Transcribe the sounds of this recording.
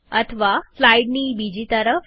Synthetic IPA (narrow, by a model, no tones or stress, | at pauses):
ət̪ʰəʋaflaiɖnibid͡ʑit̪əɾəf